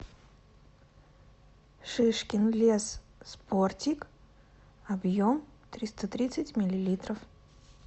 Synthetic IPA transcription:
ʂɨʂkʲɪnlʲes | sportʲik | ɐbjomt̪ɾʲist̪ət̪ɾʲit̪sɨtʲmʲɪlʲɪlʲit̪ɾəf

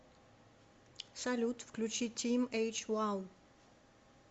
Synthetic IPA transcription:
salut̪fklut͡ʃitʰĩmet͡ʃwaw

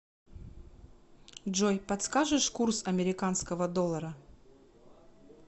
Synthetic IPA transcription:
dʐojpɐt̪skaʐɨʂkursɐmʲɪɾʲɪkanskəvəd̪olˠːəɾə

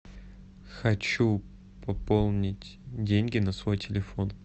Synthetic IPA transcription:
xɐt͡ɕu | pɐpolˠnʲɪtʲdʲenʲɡʲɪnɐsvo̞jtʲɪlʲɪfo̞n

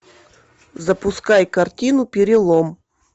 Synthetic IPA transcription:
zɐpʊskajkɐrtʲinʊpʲɪɾʲɪlˠɔm

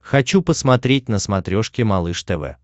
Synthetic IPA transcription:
xɐt͡ɕupəsmɐt̪ɾʲet̚ʲnəsmɐt̪ɾʲo̞ʂkʲɪmɐlˠɨʂt̪ɛvɛ̰

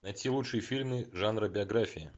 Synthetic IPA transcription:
nɐjtʲilˠutʂɨjəfʲilʲmɨʐanɾəbʲɪɐɡɾafʲɪjɪ̰

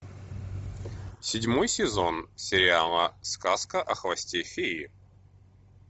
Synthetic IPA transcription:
sʲɪdʲmojsʲɪzonsʲɪɾʲɪalˠəskaskəʔɐxvɐsʲtʲefʲɪi

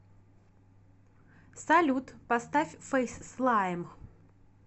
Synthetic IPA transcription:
salʲut̪pɐst̪afʲfɛjsslˠajm

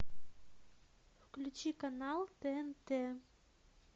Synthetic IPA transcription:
fklʲʉt͡ɕikanɑlˠt̪eent̪e

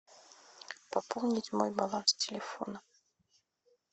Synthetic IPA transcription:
pɐpolˠnʲɪtʲmojbalˠanstʲɪlʲɪfo̰nə

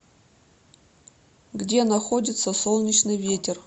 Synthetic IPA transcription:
ɡdʲe̞nɐxodʲɪt̪səsolˠnʲɪt͡ɕnɨjvʲetʲɪr

